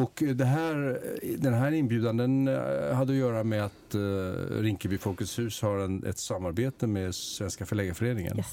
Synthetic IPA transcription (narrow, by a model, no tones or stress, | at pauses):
ɔkd̪ɛɦæːɾd̪ɛnɦæːɾɪnbjʉ̟ːd̪and̪ənhad̪ːəɔjœːɾamɛat̪ | ɾɪŋkəbɪfɔkəshʉ̟ːshaɾɛnɛ̰t̪samːaɾbeːt̪əmeːd̪svɛnskafœɭɛːɡafœɾeːnɪŋə̰n